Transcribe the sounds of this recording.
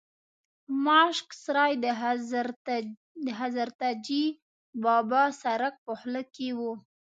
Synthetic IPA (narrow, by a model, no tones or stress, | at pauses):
mɑʃksɾɑjd̪ə | d̪əɦazaɾt̪ad͡ʒi | bɑbɑsaɾak̚pəhləkewu